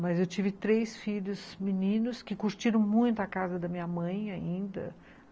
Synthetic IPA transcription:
mɐzewt͡ʃivɪt̪ɾesfiʎʊzminĩnʊskɪkuɾt͡ʃiɾɐ̃w̃mũj̃t̪ʊakazɐd̪ɐmĩɲɐmɐ̃j̃aĩnd̪ɐ̰

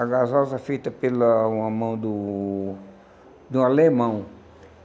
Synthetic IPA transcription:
aɡazɔzɐfejt̪ɐpelɐũɐmɐ̃w̃d̪ʊ̃ | d̪ʊ̃alemɐ̃w̃

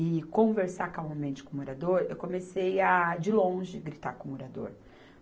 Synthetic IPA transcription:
ɪkõveɾsakawawmẽnt͡ʃɪ̥kõoɾad̪oɾewkõmesejad͡ʒɪlõʒɪɡɾit̪akõoɾad̪o̰ɾ

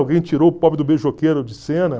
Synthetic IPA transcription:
wɡẽj̃t͡ʃiɾoʊpɔpɪd̪ʊbeʒokeɾʊd͡ʒɪsẽnɐ

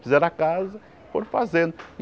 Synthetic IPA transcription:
fizɛɾakazɐ | foɾfa̰zẽd̪ʊ

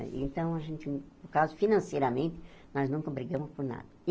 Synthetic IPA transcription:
ḛ̃nt̪ɐ̃w̃ɐʒẽnt̪ɪpʊɾkazʊfinɐ̃sejɾɐmẽnt̪ɪ̥ | nɔznũŋkɐbɾiɡɐ̃mʊspʊɾna̰d̪ɐ

